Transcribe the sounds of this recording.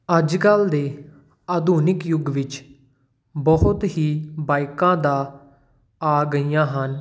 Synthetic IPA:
əd͡ʒkəld̪eː | aːd̪uːnɪkjʊɡʋɪt͡ʃ | bɔɦʊt̪ɦiːbaːɪkãːd̪aː | aːɡəiːjãːɦən

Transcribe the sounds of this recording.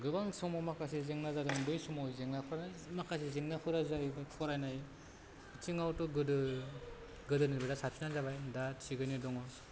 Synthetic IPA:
ɡɯbaŋsɯmɔmakʰasizeŋnazaɾɯŋdɯjsumɔzeŋnapʰɯɾanamakʰasizeŋnapʰɯɾazajbapʰɔɾajnaj | tʰiŋawtɔɡɯdɯ | ɡɯdɯnibɯdasapʰinazabajdasʰiɡɯnidɔŋɔ

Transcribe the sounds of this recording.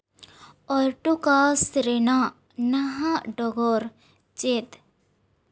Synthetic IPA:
ɔɾʈokasɾena | naɦãɖɔɡɔɾ | t͡ʃet̪

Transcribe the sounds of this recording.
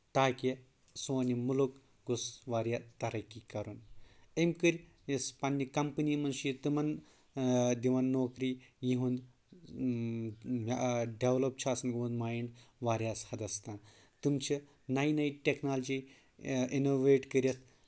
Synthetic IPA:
t̪aːki | soːnimuluk | ɡosʋaːɾʲjat̪ɐɾɐkikɐɾunemkɨɾʲ | jɐspɐnːikɐmpɨniːmɐnʃjit̪ɨmɐn | d̪iʋɐnːoːkɾiːjiɦund̪ | ɖeʋlop̚t͡ʃʰaːsɐnɡoũnd̪maːjiɳɖʋaːɾʲjaːshɐd̪ɐst̪ãːn | t̪umt͡ʃʰi | najinɐjiʈʲeknaːld͡ʒi | inoːʋeːʈkəɾjɐt̪

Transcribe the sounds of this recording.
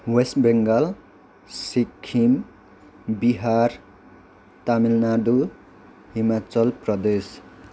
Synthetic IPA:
wesʈbeŋɡʌl | sikʰːim | biɦar | t̪amilnad̪u | ɦimat͡sʌlprʌd̪es

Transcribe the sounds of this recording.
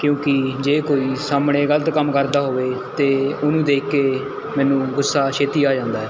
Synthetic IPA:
kjõːkɪd͡ʒeːkoːiːsaːmɽeːɡələt̪kəmkəɾd̪aːɦoːʋeːt̪eːʊnũːd̪eːkkːeː | mɛːnũːɡʊsːaːʃʰeːt̪iːaːd͡ʒãːnd̪aːɦɛː

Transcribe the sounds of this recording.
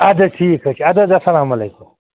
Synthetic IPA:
ɐd̪ɐʈʰiːkʰɐt͡ʃʰiɐd̪ɐd̪ɐsɐlaːmɐleːkʊm

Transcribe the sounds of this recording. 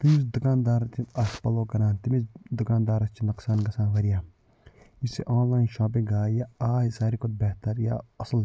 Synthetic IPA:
t̪imisd̪ʊkaːnd̪aːɾɐt̪ʰiɐspɐloːkɐɾaːnt̪imizd̪ʊkaːnd̪aːɾɐt͡ʃʰinɐksaːnɡɐsaːnʋɐɾijaː | isseʔãːnlaːjnʃãːp̬ĩɡaːjaaːɦsaːɾikʊt̪̚bɛːɦt̪əɾja̰ːɐsəl

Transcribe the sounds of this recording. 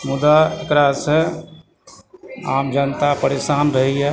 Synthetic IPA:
mud̪aekɾasẽ | aːmd͡ʒənt̪apəɾesaːnɾəɦiɦɛ

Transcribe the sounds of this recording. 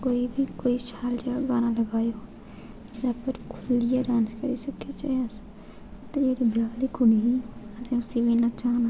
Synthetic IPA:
koːibʱikoːiʃaːld͡ʒeaɡaːnãlɐɡaːjo | zapəɾkʰʊlijaɖãːnskɐɾisɐket͡ʃas | t̪ɐd͡ʒeːɽibʱjaːlikʊniɦiɐsẽʊsiʋinɐt͡ʃaːna

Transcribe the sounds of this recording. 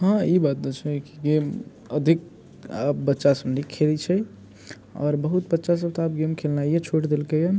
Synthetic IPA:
ɦãibat̪̚d̪ət͡ʃʰɛkiɡem | əd̪ʱik | bətːʃasəbnikʰelit͡ʃʰɛ | ɔ̰ːɾbəɦut̪bətːʃas̬əb̚t̪oapɡemkʰelnajet͡ʃʰoʈd̪elkejəm

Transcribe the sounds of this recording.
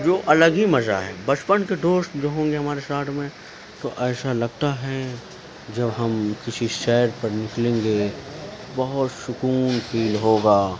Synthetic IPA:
d͡ʒoːʔɐləɡimɐza̰ɦɛ̰ːbɐt͡ʃpənked̪oːst̪d͡ʒoːɦõːŋɡeɦɐmaːɾesaːʈʰmẽ | t̪oʔɛːsalɐɡ̚t̪aɦɛ | d͡ʒɐbɦɐmkɪsiʃɛːɾpɐɾnɪklẽːŋ̆ɡe | bɐɦʊt̪ʃʊkuːnpʰiːlɦoːɡaː

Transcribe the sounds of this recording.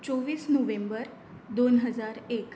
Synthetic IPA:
t͡ʃɔʋisnoʋẽmbəɾ | d̪onɦəd͡ʒaɾek

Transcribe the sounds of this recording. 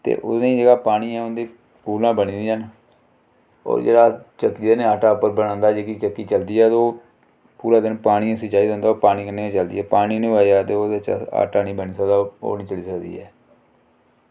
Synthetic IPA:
t̪ḛːʔʊsnẽːd͡ʒeːɡaːpaːɽ̃iːɛːʊnd̪eː | puːlnãːbənĩːd̪iən | o̰ːɾd͡ʒḛːɽaːt͡ʃəkːiːd̪eːnẽːaːʈaːpːəɾbəɽ̃ãːnd̪aːd͡ʒeːkit͡ʃəkːiːt͡ʃəld̪iːɛːt̪oː | puːɾaːd̪ɪnpaːɽ̃ĩːsət͡ʃaːiːd̪̃ːnd̪aːoːpaːniːkənːeːãt͡ʃəld̪ḭːɛːpaːɽiːnẽaːjaːt̪eːoːd̪aːt͡ʃa̰ːʈaːniːbəniːsəkd̪aːo̰ːnĩːt͡ʃəliːsəkd̪ḭːɛː

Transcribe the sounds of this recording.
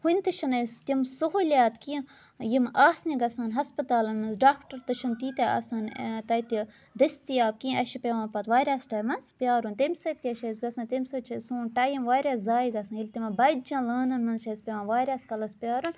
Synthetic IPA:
hunʲt̪ɨʃɐnɐst̪ʲimsoɦolʲaːt̪kĩ | jimaːsniɡɐsaːnɦɐspɐt̪aːlɐnmɐnzɖaːkʈɐɾt̪ɨʃɐnt̪iːt̪ea̰ːsaːnt̪ɐjt̪i | d̪ɐst̪ijaːb̚kĩɐʃipʲeʋãːnpɐt̪ʋaːɾʲjaːsʈɐːjmɐnspʲjaːɾunt̪emʲsɐt̪̚kʲiɐʃɐsɡɐsɐ̃ːnt̪emsɐt͡ʃʰɐsũːnʈaːjimʋaːɾʲjaːszaːjɡɐsãnjilʲt̪imɐbɐd͡ʒãːləːnɐnmɐnzʃɐspʲeʋãːnʋaːɾʲjaːskɐlɐspʲjaːɾun

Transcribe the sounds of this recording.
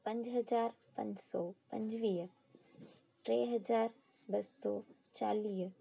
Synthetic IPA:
pɐ̃ɲd͡ʒɦɐzaːɾ | pɐ̰̃ɲd͡ʒsɔːpɐ̰̃ɲd͡ʑʋiː | ʈɾeːɦɐzaːɾ | bɐsːɔː | t͡ʃaːliːɦ

